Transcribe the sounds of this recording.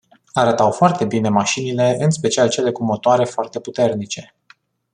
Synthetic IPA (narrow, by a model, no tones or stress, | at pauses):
aɾət̪awfoart̪e̞bine̞maʃinile̞ɨnspe̞t͡ʃialt͡ʃe̞le̞kumo̞t̪oaɾe̞foart̪e̞put̪e̞rnit͡ʃe̞